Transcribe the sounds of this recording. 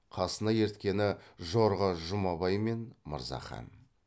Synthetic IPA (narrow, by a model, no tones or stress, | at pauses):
qʰɑsənɑje̞ɾt̪kʲe̞nɪʒo̞ɾʁəʒʊmɑbɑjme̞nmə̰ɾzɑ̰χɑ̰n